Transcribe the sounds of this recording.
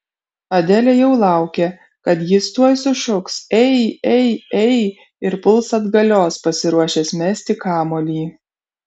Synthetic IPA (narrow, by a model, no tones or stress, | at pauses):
ɐd̪ʲɛlʲɛjɛʊlˠɑˑʊkʲe | kɐt̪jɪst̪uɔjsʊʃʊksɛɪɛɪɛɪ | ɪɾpʊlˠsɐd̪ɡɐlʲoːspɐsʲɪɾuɔʃʲeːsmʲɛsʲt̪ʲɪkɑːmoːlʲiː